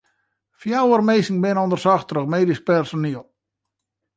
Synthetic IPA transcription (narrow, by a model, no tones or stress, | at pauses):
fjawərmeːsŋbɪnondərsɔxtrəχmeːdisk̚pɛrsoniəlˠ